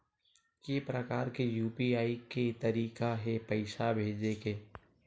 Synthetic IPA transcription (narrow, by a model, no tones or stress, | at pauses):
kepɾəkaːɾkejuːpiaːiket̪ɐɾiːkaɦɛpəɪʃabʱeːd͡ʒekeː